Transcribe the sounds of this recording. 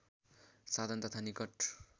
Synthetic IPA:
sad̪ʱʌnt̪ʌt̪ʰanikʌʈ

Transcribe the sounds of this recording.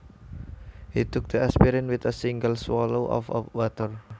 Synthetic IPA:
hit̪ʊk̚d̪̥əɛspiɾɪnwɪt̪əsiŋɡəlswɔloʔɔ̰fɔ̰wat̪ər

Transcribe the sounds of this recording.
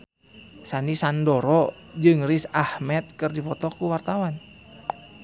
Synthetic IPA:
sanisandɔɾɔd͡ʒɨŋrisahmɛt̪̚kɨrdifɔt̪ɔkuwart̪awan

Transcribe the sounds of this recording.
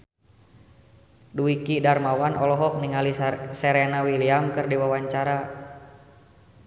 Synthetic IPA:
duikidarmawanʔɔlɔɦɔk̚niŋalisɛɾɛnawiliamkɨrdiwawaɲt͡ʃaɾa

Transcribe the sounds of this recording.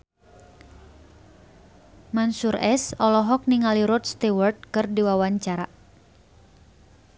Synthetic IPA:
mansuɾʔɛsɔlɔɦɔk̚niŋaliɾɔt̪st̪iwɔrd̪̚kɨrdiwawaɲt͡ʃaɾa̰

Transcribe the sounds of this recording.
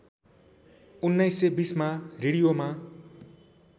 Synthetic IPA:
unːʌjsːebismareɽijoma

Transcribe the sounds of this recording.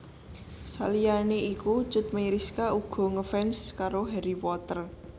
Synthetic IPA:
sa̰lijaneiku̥t͡ʃʊt̪̚məɾiskauɡ̥ɔ̤ŋəfɛnskaɾoɦɛɾipɔt̪ər

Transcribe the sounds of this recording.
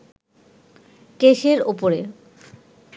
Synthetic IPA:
keʃeɾopoɾe

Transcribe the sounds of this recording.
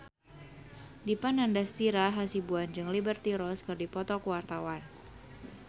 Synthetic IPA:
dipanandast̪iɾaɦasibuand͡ʒɨŋlibərt̪iɾɔskɨrdipɔt̪ɔkuwart̪awan

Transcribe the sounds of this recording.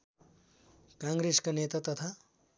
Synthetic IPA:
kãŋɡɾeskonet̪at̪ʌt̪ʰa

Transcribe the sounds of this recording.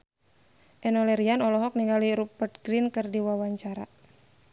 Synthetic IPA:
ʔɛnɔlɛɾianɔlɔɦɔk̚niŋɡaliɾupərt̪̚ɡɾinkɨrdiwawaɲt͡ʃaɾa̰

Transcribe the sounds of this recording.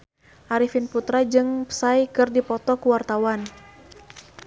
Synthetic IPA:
ʔaɾifinput̪ɾad͡ʒɨŋpə̥sajkɨrdipɔt̪ɔkuwart̪awan

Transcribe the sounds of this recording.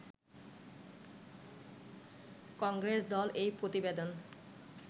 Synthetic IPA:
kɔŋɡɾesd̪ɔlʔejpɾot̪ibed̪on

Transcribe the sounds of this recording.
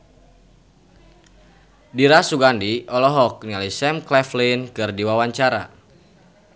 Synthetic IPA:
diɾasuɡandiʔɔlɔɦɔk̚nialisɛmklɛflinkɨrdiwawaɲt͡ʃaɾa̰

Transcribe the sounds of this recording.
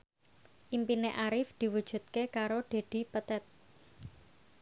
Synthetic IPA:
ʔimpineʔaɾɪfd̪̥i̤wud̥ʒ̥ṳt̪̚kekaɾoɖ̪̥e̤d̪̥i̤pət̪ɛt̪̚

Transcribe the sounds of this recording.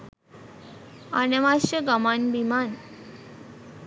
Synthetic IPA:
anəʋaɕəɡamanbʱiman

